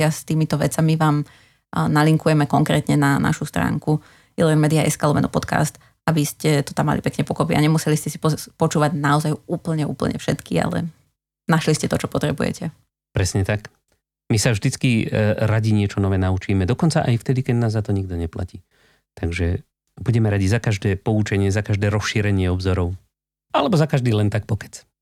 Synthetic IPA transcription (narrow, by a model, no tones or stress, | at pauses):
ɪast̪iːmit̪ɔʋɛ̰t͡samiʋaːm | naliŋkujɛmɛkɔŋkɾɛ̰ːt̪ɲɛnanʔa̰ʃust̪ɾa̰ːŋku | ilɔʋɛmɛd̪iaʔɛ̰skalˠɔmɛnɔ̰pɔt̪ka̰ːst̪ | abiscɛt̪ɔ̥t̪amːa̰lipɛkɲɛpɔkɔpia̰ɲɛmusɛliscɛsi̥pɔpɔt͡ʃuːʋaɟnaɔzajuːpl̩ɲɛṵːpl̩ɲɛ̰fʃɛ̰t̪kḭa̰lɛ̰ | naʃliscɛt̪ɔt͡ʃɔpɔt̪ɾɛbṵjɛ̰cʰɛ | pɾɛsɲɛt̪ak | misavʒd̪it͡skiɾaɟiɲɪɛt͡ʃɔnɔʋɛːnaut͡ʃiːmɛd̪ɔkɔnt͡saʔajft̪ɛd̪ikɛd̪naːzːat̪ɔɲiɡ̚d̪ɔɲɛpla̰ciː | t̪aɡʒɛ | buɟɛmɛɾaɟizakaʒd̪ɛːpɔut͡ʃɛɲɪɛzakaʒd̪ɛːɾɔsʃiːɾɛɲɪɛɔbzɔɾɔʊ | ʔalɛbɔzakaʒd̪iːlɛnt̪ak̚pɔkɛ̥t͡s